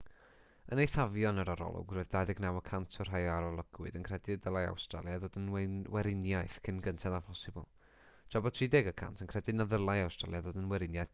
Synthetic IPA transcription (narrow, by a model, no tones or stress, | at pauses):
ənejθavjɔnəɾaɾɔ̰lˠʊ̰ɡroːðdadɪɡnawəkʰantʰɔrɦajɔaɾɔlˠəɡ̥wɨdənkʰr̥ɛdɪdəlˠaja̰wstra̰lˠjaðoːdənwɛwɛɾɪnjajθkʰɪnɡəntʰaðapʰɔsɪbɔ̰lˠ | t͡ʃɔbɔtʰriːdɛɡəkʰa̰ntʰənkʰrɛdɨnaðəlˠajawstralˠjaðoːdənwɛɾɪnjajθ